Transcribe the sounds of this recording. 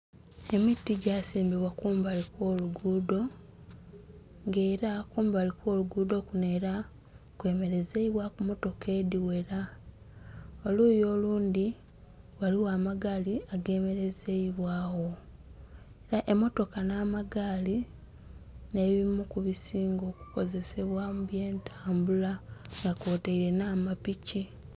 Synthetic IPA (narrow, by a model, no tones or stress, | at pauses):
e̞mitːiɟasiːmbiβwakuːmbalikwo̞ːluɡuːdo̞ | ŋɡe̞ːɾakuːmbalikwo̞ːluɡuːdo̞kuneːɾa | kwe̞me̞ɾe̞zeiβwakumo̞to̞ke̞ːdiwe̞ɾa | oluːjo̞ːluːndi | waliwaːmaɡaːliaɡe̞ːme̞ɾe̞zeiβwaːwo̞ | eɾaʔe̞mo̞to̞kanaːmaɡaːli | ne̞βimukuβisiːŋɡo̞ːku̥ko̞ze̞se̞βwamuβje̞ːntʰaːmbulaŋɡakoːteiɾe̞naːmapici